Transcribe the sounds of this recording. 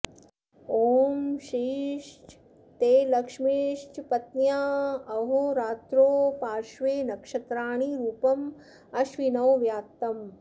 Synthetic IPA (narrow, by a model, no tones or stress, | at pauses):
oːmʃiːʃt͡ʃ | t̪eːlɐkʂmiʃt͡ʃpɐt̪njaːɐɦoɾaːt̪ɾoːpaːʃʋeːnɐkʂɐt̪ɾaːɳiɾuːpɐm | ɐʃʋinɐwʋjaːt̪ːɐm